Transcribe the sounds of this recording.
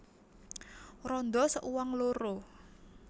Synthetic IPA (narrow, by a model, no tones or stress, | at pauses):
rɔnd̪ɔsəʔuwaŋloɾo